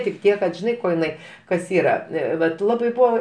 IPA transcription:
tʲɪk ˈtʲiɛk kɐt ʒʲɪˈnɐɪ ˈkoː jɪˈnɐɪ ˈkɐs ˈiːrɐ ˈʋɐt ˈlˠɑːbɐɪ ˈbuːɐ

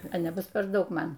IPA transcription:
ɐ nʲɛˈbʊs pʲɛr ˈdɐʊk ˈmɐn

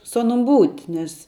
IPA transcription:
sʊ ˈɑːnʊm ˈbuːtʲ ˈnʲɛs

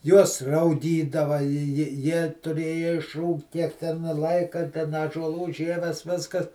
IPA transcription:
ˈjuɔs rɐʊˈɡʲiːdɐʋɐ jɪ jɪ jiɛ tʊˈrʲeːjɛ ɪʃˈruːkt ˈtʲiɛk tʲɛn ˈlˠɐɪkɐ tʲɛn ɑːʒuɔˈlˠuː ˈʒʲiɛʋʲɛs ˈʋʲɪskɐs

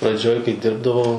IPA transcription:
prɐˈd͡ʒʲoːj kɐɪ ˈdʲɪrbdɐʋɐʊ

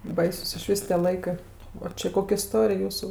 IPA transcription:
ˈbɐɪsʊs ɪˈʃʲʋʲiːs tʲiɛ ˈlˠɐɪkɜ oː ˈt͡ʃʲɪ ˈkoːkʲ ɪˈstoːrʲɪj ˈjuːsʊ

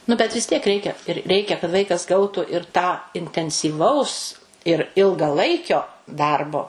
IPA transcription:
nʊ bʲɛt ʋʲɪs tʲiɛk ˈrʲɛɪkʲɛ ɪr ˈrʲɛɪkʲɛ kɐt ˈʋɐɪkɐs ˈɡɐʊtʊ ɪr tɑː ɪnʲtʲɛnʲsʲiːˈʋɐʊs ɪr ɪlˠɡɐˈlˠɐɪkʲoː ˈdɐrboː

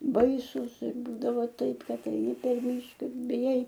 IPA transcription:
ˈbɐɪsʊs ɪr ˈbuːdɐʋɐ ˈtɐɪp ˈkɐt ɛɪˈnʲɪ pʲɛr ˈmʲiːʃkɐ ɪr bʲɪˈjɛɪ

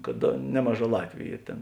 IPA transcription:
kɐt ˈnʲæːmɐˌʒɑː ˈlˠɑːtʲʋʲʊ ˈiːr ˈtʲeːn

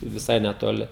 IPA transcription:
ʋʲɪˈsɐɪ nʲɛtoːˈlʲɪ

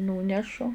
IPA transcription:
ˈnuːnʲɛʃʊ

